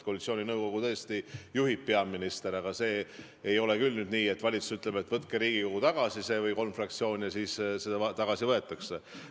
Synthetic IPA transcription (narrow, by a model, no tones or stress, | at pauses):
kolit̪sio̞ːnʲinɤwko̞ɡ̥ut̪ɤ̞est̪ijuɦippːeɑmːinist̪e̞ɾɑɡ̥ɑse̞ː | jo̞lekylnyːd̪niːe̞t̪ːvɑlʲit̪su̥syt̪ːˑle̞be̞t̪ːvɤt̪̚keɾiːɡ̥ikoɡ̥ut̪ɑɡ̥ɑsise̞ːvɤjko̞lmfrɑk̚t̪sio̞ːnʲijɑsiːssed̪ɑt̪ɑɡ̥ɑsivɤe̞t̪ːˑɑkse